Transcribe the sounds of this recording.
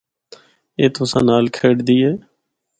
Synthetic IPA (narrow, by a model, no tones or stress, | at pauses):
eːt̪ʊsãːnaːlkʰeːɽd̪iːɛː